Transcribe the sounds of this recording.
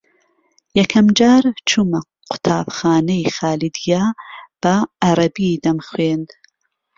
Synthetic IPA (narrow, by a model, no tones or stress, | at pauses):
jɐkʰɐmd͡ʒaːɾt͡ʃʰumɐ | qʰʊ̥t̪ʰaːbxaːnɐjxaːlid̪ijaːb̥ɐʔɐɾˤɐbiːd̪ɐmxweːnd̪